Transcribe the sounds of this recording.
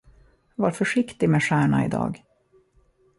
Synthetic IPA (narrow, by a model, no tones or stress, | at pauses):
vaːɾfœʂɪkt̪ɪmeːʂæːɳaɪ̰d̪ɑ̰ːɡ